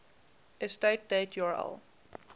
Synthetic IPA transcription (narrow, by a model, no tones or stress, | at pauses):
ɛsteɪt̚d̥eɪtʰjɔɹa̰lˠ